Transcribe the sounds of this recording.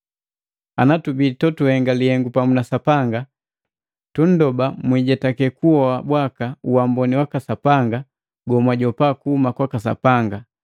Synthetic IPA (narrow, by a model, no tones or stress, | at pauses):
anatubitɔtuhɛŋɡalihɛŋɡupamunasapaŋɡa | tun̩dɔbamwiɟatakɛkuɔabwakauwambɔniwakasapaŋɡa | ɡɔmwaɟɔpakuhumakwakasa̰paŋɡa